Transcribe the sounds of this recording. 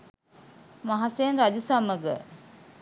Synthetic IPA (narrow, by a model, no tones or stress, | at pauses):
maɦasenɾad͡ʒusaməɡə